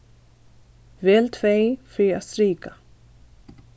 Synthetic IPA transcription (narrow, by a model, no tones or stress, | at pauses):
vɛːlt̪ʰveːjfɾiaðst̪ɾiːka